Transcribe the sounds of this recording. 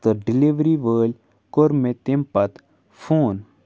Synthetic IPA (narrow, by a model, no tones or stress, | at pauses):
t̪əɖɪliʋɾiʋəːlʲ | koɾmet̪impɐt̪ | fʰoːn